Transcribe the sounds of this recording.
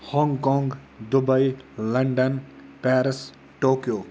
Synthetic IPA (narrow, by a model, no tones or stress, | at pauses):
hɔŋɡkɔ̃ːŋɡ | d̪ubɐjlɐɳɖənpɛːɾis | ʈoːkijoː